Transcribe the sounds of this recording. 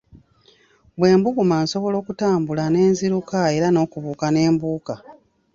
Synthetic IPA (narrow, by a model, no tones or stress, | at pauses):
βwe̞ːmbuɡumanso̞βo̞lo̞ːkutaːmbulane̞ːnziɾukae̞ɾano̞ːkuβuːkane̞ːmbuːka